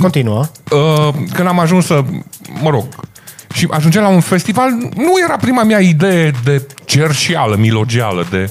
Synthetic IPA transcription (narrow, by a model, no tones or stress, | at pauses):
kont̪inuaəkɨnd̪amaʒunsəməɾo̞ɡ̚ | ʃiʔaʒund͡ʒemlaunfe̞st̪ivalnuje̞ɾapɾimamjaid̪e̞jed̪e̞t͡ʃe̞rʃialəmilo̞d͡ʒia̰ləd̪e̞